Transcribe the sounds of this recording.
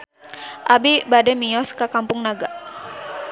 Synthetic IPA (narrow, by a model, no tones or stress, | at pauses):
ʔabibadɛmiɔskakampʊŋnaɡa